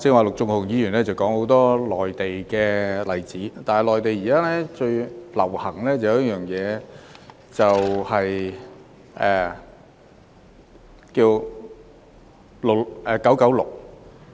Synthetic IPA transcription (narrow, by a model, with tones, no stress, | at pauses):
sɪ˧k̚ŋwaː˨˩lʊ˨k̚t͡sʊ˧ŋhʊ˨˩ŋjiː˨˧jyː˨˩nlɛː˥t͡sɐ˨wkɔː˨˥ŋho˨˥wt̪ɔː˥lɔː˨˩jt̪e˨jkɛː˧lɐ˨˩jt͡siː˨˥t̪aː˨nhɐ˨˩lɔː˨˩jt̪e˨jiː˨kaː˥lɛː˥t͡ʃɵ˧ɥlɐ̰˨˩whɐ˨˩ŋlɛː˥t͡sɐ˨wjɐ˨˦jjœː˨ŋjɛː˨˧ | t͡sɐ˨whɐ˨j | ʔɛː˨˩ | kiː˧w | lʊ˨˩kʔɛ˨kɐ˨˥wkɐ˨˥wlʊ̰˨˩k̚